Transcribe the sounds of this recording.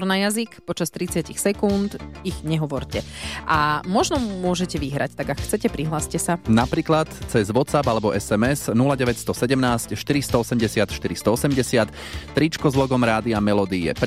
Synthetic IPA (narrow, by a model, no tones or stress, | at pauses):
ɾnajazikpɔt͡ʃast̪ɾit͡sɪacixsɛkund̪iɣɲɛɦɔʋɔɾcɛʔamɔʒnɔmʊɔʒɛcɛʋiɦɾa̰ct̪aɡakxt͡sɛcɛpɾiɦlaːscɛsanapɾiːklat̪t͡sɛzʋɔt̪sabalɛbɔʔɛsɛmɛsnulaɟɛʋɛcst̪ɔsɛɟɛmnaːscʃt̪iɾist̪ɔɔsɛmɟɛsɪat̪ʃt̪iɾist̪ɔɔsɛmɟɛsɪat̪ː | ɾit͡ʃkɔzlɔɡɔmɾaːd̪iamɛlɔd̪iːjɛ̰p